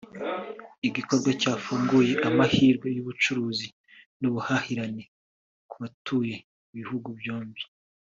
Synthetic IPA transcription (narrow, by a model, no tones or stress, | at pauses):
iɟiko̞ɾɡwacaːfuːŋɡuje̞ʔamahiːɾɡwe̞juβut͡ʃuɾuːzi | nuβuhahiɾane | kuβatuːje̞ | iβihuɡubjoːmbi̥